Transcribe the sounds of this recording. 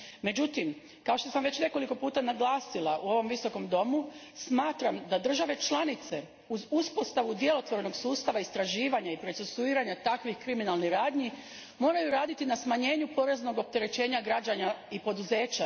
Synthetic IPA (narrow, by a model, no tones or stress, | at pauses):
me̞d͡ʑut̪im | kao̞ʃt̪o̞samʋe̞t͡ɕne̞ko̞liko̞puːt̪anaɡlˠaːsilˠaʔuo̞ʋo̞mʋiso̞ko̞md̪o̞musmaːt̪ɾamd̪ad̪r̩ʒaʋe̞t͡ʃlˠanit̪se̞ | uzuspo̞st̪aʋud̪je̞lo̞t̪ʋo̞ɾeno̞ɡsuːst̪aʋaist̪ɾaʒiːʋaɲaipɾo̞t̪sesuiːɾaɲat̪akʋixkɾiminalˠniɾaːd̪ɲi | mo̞ːɾajuɾaːd̪it̪inasmaɲe̞ːɲupo̞ɾe̞zno̞ɡo̞p̚t̪e̞ɾe̞t͡ʃe̞ːɲaɡɾad͡ʑaɲaipo̞d̪uze̞ːt͡ɕa